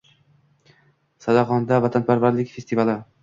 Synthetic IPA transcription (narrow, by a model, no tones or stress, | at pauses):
sad̪ɒʁɒnd̪avat̪ʰanpʰaɾvaɾlɪkʲfe̞st̪ivalɪ